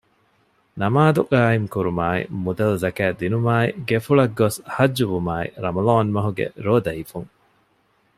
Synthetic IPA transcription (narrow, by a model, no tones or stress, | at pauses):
nɐmaːd̪uʔaːiŋkuɾumaːḭmud̪ɐlzɐkæːd̪inumaːiɡefuɭɐɡːoshɐd͡ʒːuʋumaːḭɾɐmɐloːnmɐɦuɡḛɾoːd̪ɐifuŋ